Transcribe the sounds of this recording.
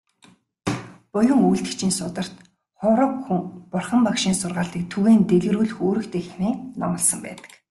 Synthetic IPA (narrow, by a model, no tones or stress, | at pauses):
pʊjɞ̆ŋujɮt̪ɘ̆kt͡ɕʰiːnsʊt̪ə̆r̥t̪ | χʊɾɞ̆kxuŋpʊrχə̆mpakʃiːnsʊrʁaːɮt̪iːk̚t̪ʰuɣeːnt̪eɮɣ̆ruːɮxoːɾɘ̆kt̪exxneːnɔ̰mɞ̆ɮsə̆mpæ̰ːt̪ə̥̆k